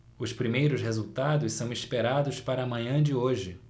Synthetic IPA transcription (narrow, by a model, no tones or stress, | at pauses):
ʊspɾimejɾʊsɦezuwt̪ad̪ʊssɐ̃w̃ispeɾad̪ʊspaɾɐːmɐ̃ɲɐ̃d͡ʒɪoʒɪ